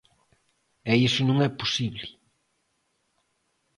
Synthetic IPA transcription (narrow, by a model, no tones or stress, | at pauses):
ɛisʊnũŋɛpusiβli